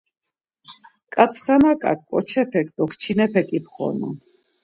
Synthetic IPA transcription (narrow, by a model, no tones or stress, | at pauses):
kʼat̪t͡sʰχanakʼa̰kʼːɔt͡ʃʰɛpʰɛk̚ʼd̪ɔkʰt͡ʃʰinɛpʰɛkʼipχɔ̰nṵ